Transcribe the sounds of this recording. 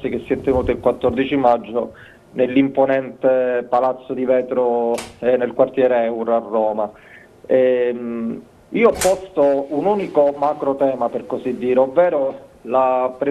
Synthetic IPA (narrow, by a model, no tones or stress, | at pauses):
sik̟esːiɛt̪ːenuːt̪ɪilkwat̪ːɔrd̪it͡ʃimad͡ʒːo | nelːimponɛnt̪epalat̪sːod̪ivɛːt̪ɾoɛnːelkwart̪jɛːɾeɛwɾarːɔːma | ɛm | iːoɔpːɔst̪ounuːnikomakɾot̪ɛːmaperkosid̪ːiːɾeovːɛːɾolapɾe